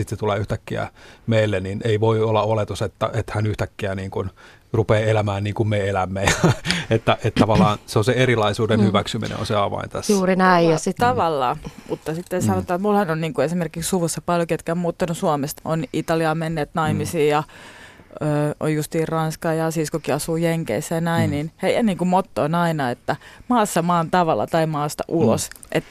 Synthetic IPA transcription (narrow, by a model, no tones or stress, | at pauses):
sit̪set̪uleːyht̪ækːiæ̰meilːenineiʋoiolːɑolet̪uset̪ːæ̰ʔet̪hænyht̪ækːiæniːŋkun | rupeːelæmæːnniːŋkummeelæmːejɑet̪ːæʔet̪t̪ɑʋɑlːˑɑːnseonseeɾilɑisuːdenhyʋæksymḭnʔḛo̰nseɑʋɑ̰int̪æsːuːrinæijjɑst̪ɑʋɑlːɑːmut̪ːɑsit̪ːensɑnot̪ːɑːmulhɑnonniːŋkuesimerkikssuʋusːɑpɑljoket̪kæmmuːt̪ːɑnusuɑmest̪onit̪ɑliɑːmenːeːt̪nɑimisiːjɑ | øːo̰jjust̪iːrrɑnskɑːjɑsiskokiɑsuːjeŋkḛisːæjɑnæinninheijæniːŋkumot̪ːoinɑinɑet̪ːæmɑːsːɑmɑːnt̪ɑʋɑlːɑ̰t̪ɑimɑːst̪ɑ̰ʔulo̰sʔet̪ː